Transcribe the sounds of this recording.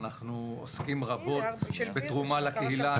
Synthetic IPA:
naχnuo̰skimʁabo̞t̪bet̪ʁumalakeɦila

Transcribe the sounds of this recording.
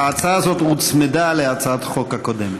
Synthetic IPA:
aat͡saaazot̪ut͡smed̪aleat͡saat̪χo̞khakod̪em

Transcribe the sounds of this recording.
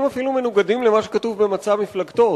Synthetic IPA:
mafilume̞nuɡad̪imle̞maʃekat̪uvbemat͡samiflaɡt̪o̞

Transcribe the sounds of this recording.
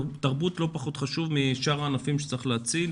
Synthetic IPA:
taʁbut̪lo̞paχut̪χaʃuvmiʃaʁaːnafimʃe̥t͡saʁiχleːt͡sil

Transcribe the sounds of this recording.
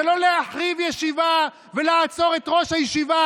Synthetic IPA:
elo̞leaħʁivjeʃiva | veleat͡so̞ʁe̞tʁo̞ʃhajeʃiva

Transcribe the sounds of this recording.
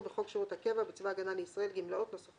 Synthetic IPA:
beχo̞ɡʃeʁut̪hake̞vabit͡svaɡanaleisʁaelɡimlao̞ttnosaf

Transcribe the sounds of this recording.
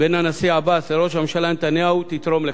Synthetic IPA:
benanasiaabaseɾo̞ʃamʃalanet̪anjaut̪it̪ɾo̞mle

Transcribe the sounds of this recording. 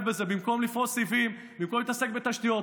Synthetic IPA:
bezebimko̞mlifʁosivim | bimkomit̪asek̚bet̪aʃt̪ijot

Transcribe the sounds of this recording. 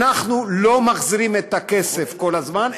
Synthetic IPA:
aχnulo̞maχziʁimet̪ake̞se̞fko̞lazman

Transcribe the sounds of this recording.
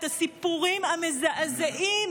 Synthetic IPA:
t̪asipuʁimamezaʔzeʔim

